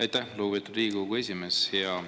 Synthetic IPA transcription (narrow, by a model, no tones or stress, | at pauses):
ɑjt̪ːæhloːbet̪ːˑud̪ɾiːɡuɡue̞sʲime̞sjɑ